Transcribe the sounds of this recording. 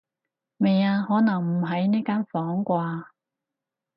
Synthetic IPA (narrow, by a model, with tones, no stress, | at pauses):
me˨jaː˧hɔː˨˥nɐ˨˩ŋm̩˨˩ɦɐ˨˥jniː˥kaː˥nfɔː˨˥ŋkʷaː˧